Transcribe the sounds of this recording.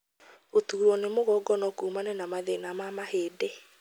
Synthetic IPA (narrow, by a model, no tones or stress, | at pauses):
otuːɾɔnemoɣɔɡɔnɔkuːmanɛnamaðenamamaheːdɛ